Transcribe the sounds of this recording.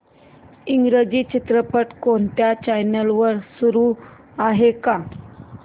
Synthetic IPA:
iŋɡɾed͡ʑiːt͡ɕit̪ɾəpəʈkoɳt̪jat͡ɕajnəlʋəɾsuɾu | aɦeka

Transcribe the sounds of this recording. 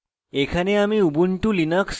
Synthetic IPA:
ekʰaneamiubuɳʈulinəkʰs

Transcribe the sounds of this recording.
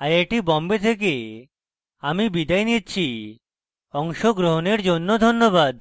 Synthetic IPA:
ajaʈibɔmbet̪ʰek̬e | amibid̪ajnitt͡ɕʰi | ɔŋʃoɡɾoɦoneɾd͡ʑonːod̪ʱonːobad̪

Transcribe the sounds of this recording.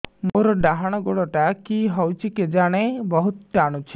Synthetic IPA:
moɾɔɖaɦaɽ̃ɔɡoɽɔʈakiɦɔwt͡ʃʰiked͡ʒaɽ̃ebɔɦut̪t͡ʃaɽ̃ut͡ʃʰi̥

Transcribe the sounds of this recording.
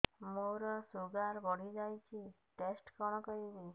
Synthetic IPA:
moɾɔsuɡaɾbɔɽ̤id͡ʒajt͡ʃʰi | ʈesʈkɔɽ̃ɔkɔɾibi

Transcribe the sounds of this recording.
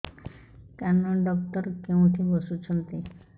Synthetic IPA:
k̪anːɔɖɔkt̪ɔɾkeũʈ̪ʰibɔsut͡ʃʰɔnt̪i

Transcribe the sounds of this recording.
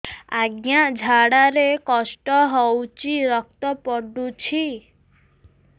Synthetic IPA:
aɡjad͡ʒʱaɽaɾekɔsʈɔɦɔwt͡ʃiɾɔk̚t̪ɔpɔɖut͡ʃʰi

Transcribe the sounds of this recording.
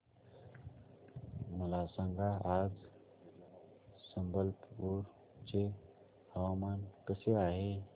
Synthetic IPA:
məlaːsəŋɡaaːd͡ʒ | sə̃mbəlpoːɾ | t͡ʃe | həwaːmaːnkəseaːɦe

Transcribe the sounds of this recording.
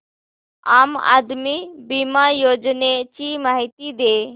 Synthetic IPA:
aːma̰ːd̪mibimajoːd͡ʒnet͡ʃimaːɦit̪id̪eː

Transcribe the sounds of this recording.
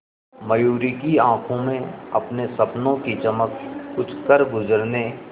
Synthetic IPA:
məjuːɾikiãːkʰõmẽɐpnesɐpnõkit͡ʃɐməkkʊt͡ʃʰkəɾɡʊzəɾne

